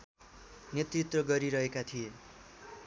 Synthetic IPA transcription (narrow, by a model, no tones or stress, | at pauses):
njet̪rit̪rʌɡʌɾiɾʌɦekat̪ʰije